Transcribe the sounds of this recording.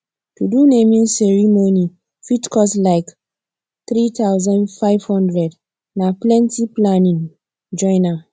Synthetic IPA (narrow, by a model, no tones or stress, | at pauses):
tudunemĩnsɛɹimoni | fitkʰɔslaɪk | t̪ɾit̪awzɔ̃ndfaɪvhɔ̃ndɹɛd | naplɛ̃ntiplanĩn | d͡ʒɔ̃ɪna